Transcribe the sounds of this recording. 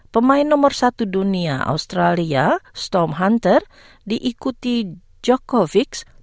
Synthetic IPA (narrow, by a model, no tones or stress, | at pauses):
pəmaɪnːɔmɔrsat̪uduniaʔa̰ust̪ɾaliast̪ɔmɦant̪ər | diʔikut̪i | d͡ʒɔkɔviks